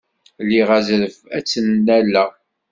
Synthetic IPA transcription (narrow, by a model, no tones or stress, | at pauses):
lːiʁæzɾəvæt͡sːənːælːæ